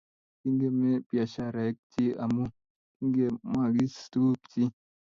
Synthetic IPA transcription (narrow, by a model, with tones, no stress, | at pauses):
ki˦ŋɡe˦me˦pja˨ʃa˦ɾa˨˦k̚ti˦a˨mu˦ | ki˦ŋɡe˦ma˦˨ɡi˦stu˦pti˦